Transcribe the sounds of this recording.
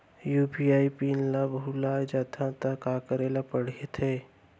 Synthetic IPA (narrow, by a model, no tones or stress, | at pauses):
juːpiaːipiːnlabɦulaːd͡ʒaːt̪ʰãt̪akaːkəɾeːlapəɽ̤iet̪ʰeː